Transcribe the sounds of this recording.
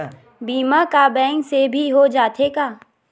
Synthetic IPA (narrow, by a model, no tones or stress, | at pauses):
biːmakabɛ̃ːŋksebʱiɦod͡ʒaːt̪ʰekaː